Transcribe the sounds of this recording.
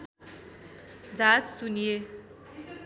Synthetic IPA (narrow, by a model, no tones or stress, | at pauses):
d͡zat͡ssunije